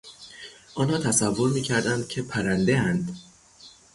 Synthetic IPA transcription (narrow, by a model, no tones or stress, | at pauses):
ʔɒːnhɒːt̪ʰæsævːo̞ɾmiːcʰæɾd̪ænd̪̥̚cʰe̞pʰæɾænd̪eænd̪